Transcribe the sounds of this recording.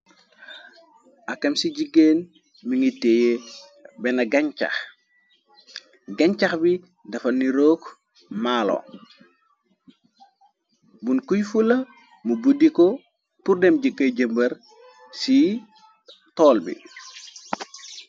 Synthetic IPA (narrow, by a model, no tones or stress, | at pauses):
ɐkːɐmsiɟiɡeːn | miŋitːeje | bɛnɐɡɐɲt͡ʃa̰x | ɡɐɲt͡ʃaxbi | dɐfɐniɾoːk | maːlo̰ | bunkujfulɐ | mubudiko | puɾdɛmɟəkːɐɟɐmbɐɾ | si | tɔːlbḭ